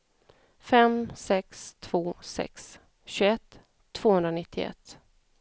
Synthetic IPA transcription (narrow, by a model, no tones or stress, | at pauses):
fɛmsɛkst̪ʰv̥oːsɛ̰ks | ɕɵɛt̪ʰː | v̥oːhɵnɾanɪt̪ʰːɪɛ̰t̪ː